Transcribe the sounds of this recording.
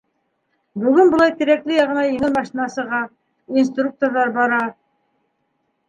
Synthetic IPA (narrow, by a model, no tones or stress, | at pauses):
bʉɡɘnbŏlˠɑjt̪ɘ̆ɾæklɘjɑʁɤ̆nɑjɘ̆ŋɘlmɑʃinɑsɤ̆ʁɑ | inst̪ruk̚t̪orðɑɾbɑɾɑ